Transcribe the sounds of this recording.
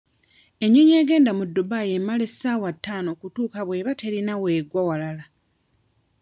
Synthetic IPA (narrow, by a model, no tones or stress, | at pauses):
e̞ɲːoɲe̞ːɡe̞ːndamudːubajemːale̞sːaːwatːaːno̞ːkutuːkaβwe̞ːβate̞ɾinawe̞ɡwawalala